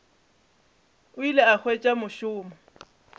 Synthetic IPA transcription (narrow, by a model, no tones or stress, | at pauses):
ʊileak͡xʰwet͡ʃʼamʊʃʊːma